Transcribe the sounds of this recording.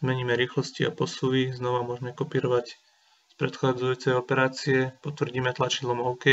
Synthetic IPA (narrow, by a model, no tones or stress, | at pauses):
zmɛɲiːmɛɾiːxlɔsciapɔsuʋiznɔʋamʊɔʒmɛkɔpiːɾɔʋac | spɾɛt̪xad͡zujuːt͡sɛjɔpɛɾaːt͡siɛpɔt̪ʋr̩ɟiːmɛt̪lat͡ʃid̪lɔmɔʊkɛ